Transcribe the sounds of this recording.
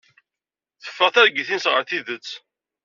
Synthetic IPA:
θə̥fːəʁθæɾɡiθinsʁəɾθiðət͡sː

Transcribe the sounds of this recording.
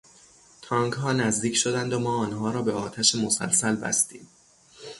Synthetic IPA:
t̪ʰɒːŋɡɦɒːnæzd̪iːcʰʃo̞d̪ænd̪omɒːɒːnɦɒːɾɒːbe̞ɒːt̪ʰæʃemosæ̰lsælbæ̰st̪ḭːm

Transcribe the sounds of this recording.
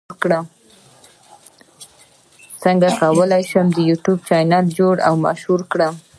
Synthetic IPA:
kɽam | səŋɡakawəlajʃəmd̪əjuʈjub̚t͡ʃɑjnɑld͡ʒoɽa̰wma̰ʃhuɾkɽam

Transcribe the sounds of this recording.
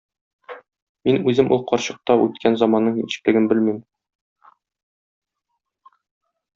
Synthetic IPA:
minʉzɘmʔṵlˠqɒɾɕɤ̆q̚t̪ɑʔʉ̰t̪kʰænzɑmɑnːɤɴḭɕɘ̥̆klɘ̆ɡɘmbɘlmim

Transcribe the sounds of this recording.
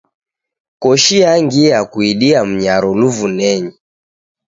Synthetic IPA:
kɔʃiaŋɡiakuiɗiam̩ɲaɾɔluvunɛɲi

